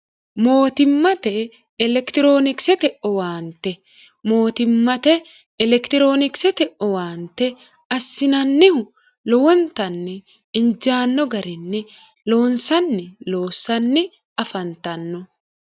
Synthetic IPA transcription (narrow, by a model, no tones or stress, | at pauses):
mo̞ːt̪ɪmːɐt̪ɛː | lɛkt̪ɪɾo̞ːnɪksɛt̪ɛʔɔwaːnt̪ɛ | mo̞ːt̪ɪmːɐt̪ɛː | lɛkt̪ɪɾo̞ːnɪksɛt̪ɛʔɔwaːnt̪ɛ | ɐsːɪnɐnːɪhʊ | lɔwɔnt̪ɐnːɛ | ɪnd͡ʒaːnːɔɡɐɾɪnːɛ | loːnsɐnːɪloːsːɐnːɪ | ɐfɐnt̪ɐnːɔ